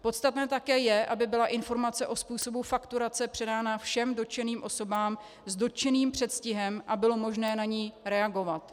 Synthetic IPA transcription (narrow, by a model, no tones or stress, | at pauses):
po̞t̪st̪at̪nɛːt̪akɛːjɛʔabɪbɪlaʔɪnfo̞ɾmat͡sɛʔo̞spuːso̞bufakt̪uɾat͡sɛpr̝̥ɛdaːnafʃɛmdo̞t͡ʃɛniːmʔo̞so̞baːm | zdo̞t͡ʃɛniːmpr̝̥ɛt̪scɪɦɛmʔabɪlo̞mo̞ʒnɛːnaɲiːɾɛaɡo̞vat̪